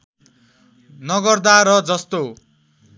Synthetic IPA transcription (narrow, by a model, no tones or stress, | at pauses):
nʌɡʌrd̪aɾʌd͡zʌst̪o